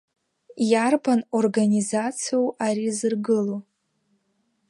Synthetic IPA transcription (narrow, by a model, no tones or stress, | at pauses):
jarbanorɡanʲizat͡sʰijowaɾizɨrɡɨlo